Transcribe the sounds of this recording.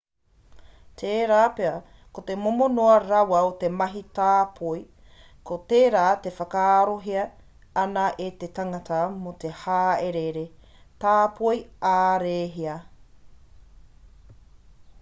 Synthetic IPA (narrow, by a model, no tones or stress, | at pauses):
t̪ʰeːɾaːpeɐ | kot̪emomonoɐɾɐwɐot̪emɐɦitaːpʰoj | kot̪eːɾaːt̪e̞fɐkaaɾoɦiɐ | ɐnɐʔet̪etaŋɐtɐmot̪ehaːeɾeɾe | taːpʰojaːɾeːɦiɐ